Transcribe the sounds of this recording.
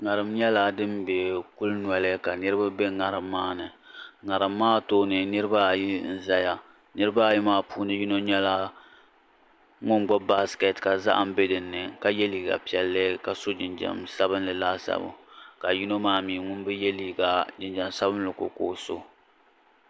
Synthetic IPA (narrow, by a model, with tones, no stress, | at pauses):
ŋa˨ɾɨ˨mɲɛ˦la˦˨dɨ˦mbe˨ku˦lnwɛ˨˦lɨ˦ka˨nɨ˦ɾɨ˦ba˦be˦ŋa˨ɾɨ˨mːaː˦nɨ˨ŋa˨ɾɨ˨mːaː˦toː˦nɨ˨nɨ˦ɾɨ˦ba˦˨ji˦n̩˦za˦ja˦ | nɨ˦ɾɨ˦ba˦ji˦maː˦puː˦nɨ˦ju˦no˦ɲɛ˦la˦ | ŋʊ˦nɡ͡bɔ˦ba˦skɛ˨tka˨za̰˦ʔa̰˨m̩˦be˦dɨ˨nːɨ˨ka˨jɛ˦liː˨˦ɡa̰˨pi˨ɛ˨lːɨ˦ka˨so˦d͡ʒɪ˨nd͡ʒa̰˨msa˦bɨ˦nlɨ˨laː˦sa̰˦bṵ˨ka˨ju˦no˦maː˦miː˨ŋʊ˦n˦bɨ˦jɛ˦liː˦ɡa˨d͡ʒɪ˨nd͡ʒɛ˨msa˦bɨ˦n˦lɨ˨ko̰˨ko̰ː˦so˦